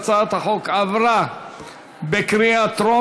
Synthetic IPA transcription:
t͡saat̪haχokavɾa | bekɾiat̪ɾo

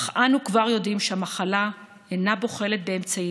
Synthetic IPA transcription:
χanukvaʁjo̞dimʃehamaχala | enabo̞χe̞le̞t̪̚be̞ːmt͡sai

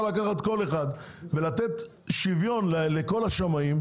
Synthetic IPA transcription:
lakaχat̪ko̞le̞χad̪ | ve̞lat̪et̪ | ʃivjo̞nlleko̞laʃamaim

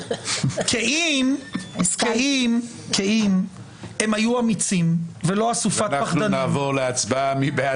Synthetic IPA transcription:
kʰeimkeim | kʰeim | emhajuamit͡simvelo̞asufatpaχanavoʁleat͡sbamibea

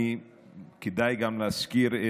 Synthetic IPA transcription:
i | kid̪ajɡamlaskiɾe

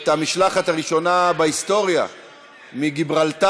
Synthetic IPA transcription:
t̪amiʃlaχat̪haʁiʃo̞nabeist̪o̞ʁja̰ | miɡibʁalt̪a

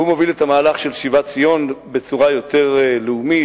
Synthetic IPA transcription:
umovilet̪amaːlaχʃe̞lʃivat͡sijo̞nbe̞t͡suʁajo̞t̪e̞ʁleumi

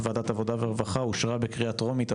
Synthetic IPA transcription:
vaːd̪at̪avo̞daveʁevaχauʃʁabekʁiat̪ʁo̞mit̪

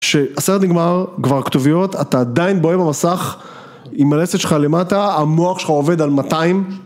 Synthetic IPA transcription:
ʃe̞aseʁt̪niɡmaʁkvaʁkt̪ovijo̞t̪at̪aːd̪ainbo̞ebamasaχ | imaleset̪ʃelχale̞mataamo̞aχʃelχaove̞d̪almataim

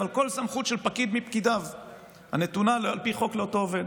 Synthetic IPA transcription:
alko̞lsamχut̪ʃelpakid̪mipkid̪av | ha̰ne̞t̪unalalpiχo̞kleoto̞ove̞d

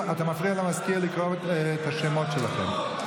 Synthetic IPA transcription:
at̪amafʁialamaskialikʁovt̪aʃemo̞tʃela̰χḛm

